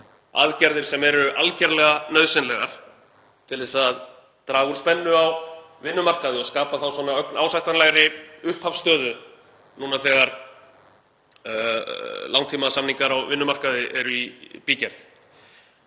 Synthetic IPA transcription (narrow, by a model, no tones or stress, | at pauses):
a̰ðcɛɾðɪɾ̥sɛmɛɾʏʔalcɛɾlɛɣanœðsɪnlɛɣaɾ̥ | t̪ʰɪlɛsað | t̪ɾaːɣuɾ̥spɛnːʏaw | vɪnːʏmar̥kaðɪɔɣskaːpaθawswɔnaœknaːwsajht̪anlaɣɾɪʏht̪hafst̪œːðʏ | nuːnaθɛːɣaɾ | lawŋt̪ʰiːmasamniŋkaɾawvɪnːʏmar̥kaðɪʔɛɾʏipiːcɛɾθ